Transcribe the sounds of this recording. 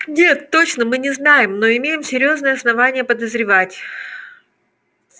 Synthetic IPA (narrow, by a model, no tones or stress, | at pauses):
nʲe̞t̪ːo̞t͡ɕnəmɨnʲɪznajɪmno̞ɪmʲejɪmsʲɪɾʲjo̞znəjəɐsnɐvanʲɪjəpəd̪əzɾʲɪvatʲ